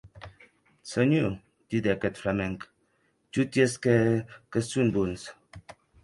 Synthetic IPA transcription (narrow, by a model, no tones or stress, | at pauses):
t͡səɲu | didɛkətfɾamɛŋk | t͡ʃutjeskɛkəsunbuns